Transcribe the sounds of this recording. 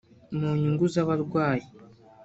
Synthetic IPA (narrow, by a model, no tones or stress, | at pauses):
muɲuŋɡuzaβaɾɡwaːji